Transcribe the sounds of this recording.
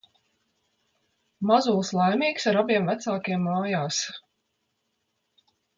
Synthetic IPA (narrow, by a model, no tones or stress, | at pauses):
mazuːlˠslˠajmʲiːksaɾabiɛmvæt̪saːkʲiɛmːaːjaːs